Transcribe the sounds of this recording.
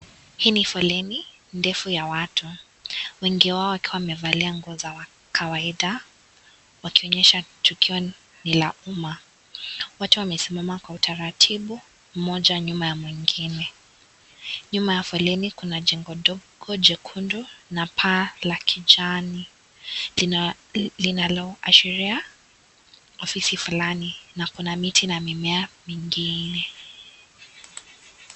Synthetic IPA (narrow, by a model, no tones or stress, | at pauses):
hiːnifɔlɛni | ndɛfujawatʰu | wɛŋɡiwaɔwakiwawmɛvaliaŋɡɔzawa | kʰawaiɗa | wakiɔɲɛʃatʰukiɔ | nilauma | watuwamɛsimamakwautʰaɾatʰiɓu | m̩mɔʄaɲumajamwiŋɡinɛ | ɲumajafwɛlɛnikunad͡ʒɛŋɡɔɗɔɡ̥ɔd͡ʒɛkʰundunapʰaːlakʰid͡ʒani | linalɔʔa̰ʃiɾia | ɔfisifulaninakunamitʰinamimɛamiŋɡinɛ